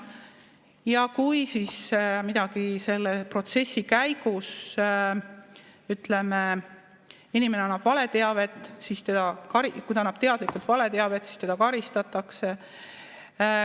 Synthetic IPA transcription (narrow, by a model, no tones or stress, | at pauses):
jɑkujsismid̪̥ɑɡ̥ise̞lːepro̞t̪se̞sːikæjɡ̥us | yt̪le̞me | inime̞neɑnːɑb̥vɑle̞t̪e̞ɑve̞t̪ːˑsist̪e̞d̪̥ɑkɑɾikuj̪ɑnːɑb̥̚t̪e̞ɑd̪likult̪vɑle̞t̪e̞ɑve̞t̪si̥st̪e̞d̪ɑkɑɾist̪ɑt̪ːˑɑkse